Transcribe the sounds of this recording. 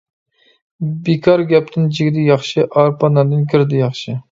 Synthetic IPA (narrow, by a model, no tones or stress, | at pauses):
bekʰɑɾɡʲɛp̚t̪ʰɪnd͡ʒɪɡʲd̪ɪjɑχʃɪʔɑɾpɑnɑd̪ɨnkʲʰiɾd̪ɪjɑχʃɪ